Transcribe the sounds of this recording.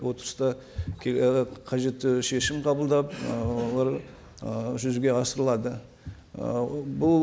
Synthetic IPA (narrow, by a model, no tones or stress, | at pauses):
wo̞t̪əɾəst̪ɑ | kʲʰeqʰɑʒe̞t̪ːɪʃe̞ʃɪmqʰɑbəlˠd̪ɑp̚wolˠɑɾ | ʒʏzɡʲe̞ɑsəɾəlˠɑd̪ə | bʊ